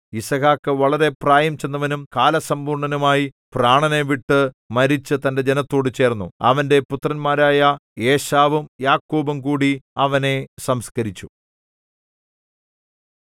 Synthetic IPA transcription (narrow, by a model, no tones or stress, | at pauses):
isɐɣaːkːɨʋɐɭɐɾe̞praːjɐmt͡ɕːenːɐʋɐnumkaːlɐsɐmbuːrɳɐnumaːji | praːɳɐne̞ʋiʈːɨ | mɐɾit͡ɕːɨt̪ɐnde̞d͡ʑenɐt̪ːo̞ːɽɨt͡ɕe̞ːrnːuɐ̰ʋɐnde̞put̪rɐnmaːɾaːjɐe̞ːɕaːʋumjaːkːoːbumkuːɽiɐʋɐne̞sɐmskɐɾit͡ɕːu̥